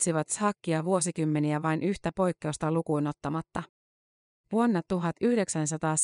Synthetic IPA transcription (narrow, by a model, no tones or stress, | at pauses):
siʋɑt̪shɑːkːiɑʋuo̞sikymːe̞niæʋɑjnʔyçt̪æpo̞jkːe̞ust̪ɑlukuino̞t̪ːɑmɑt̪ːɑ | ʋuonːɑt̪ːuɦɑt̪yhde̞ksæns̬ɑt̪ɑːs